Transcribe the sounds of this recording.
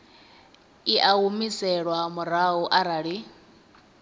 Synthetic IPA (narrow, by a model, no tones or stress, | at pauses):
iʔaɦumisɛɺwamuɾaɦuʔaɾaɺi